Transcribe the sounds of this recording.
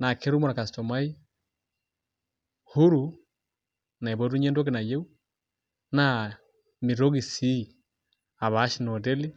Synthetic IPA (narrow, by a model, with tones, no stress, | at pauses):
na˨ke˦ɾu˦mɔ˨ɾa˨ka˨stɔ˨ma˦i˦ | hu˦ɾu˨ | na˨i˨βɔ˦ɾu˦ɲe˦ndɔ˦ke˦na˨je˦u˦ | na˨ | mi˨ɾo˦ɣi˨si˦ | a˨βa˨˦ʃi˦nɔ˨de˦li˦